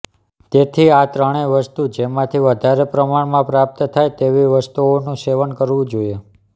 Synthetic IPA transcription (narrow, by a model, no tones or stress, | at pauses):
t̪et̪ʰiat̪ɾəɽ̃eʋəst̪ud͡ʒemãt̪ʰiʋəd̪ʱaɾepɾəmaɳmãpɾap̚t̪ət̪ʰajt̪eʋiʋəst̪uonũseʋənkəɾʋũd͡ʒoie